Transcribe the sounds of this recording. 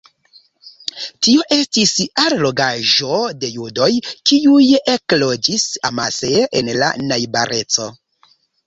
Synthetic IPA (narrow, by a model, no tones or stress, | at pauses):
tio̞ʔe̞stisaɾlo̞ɡaʒo̞de̞judo̞jkiujeklo̞d͡ʒisa̰maseʔenla̰najbaɾʔe̞t͡so̞